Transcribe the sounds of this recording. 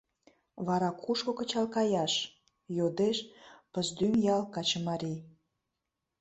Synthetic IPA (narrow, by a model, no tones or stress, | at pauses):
βɑɾɑkʰuʃkokət͡ɕɑlkɑjɑʃ | jod̪eʃpəzd̪ymjɑlkɑt͡ɕəmɑɾʲi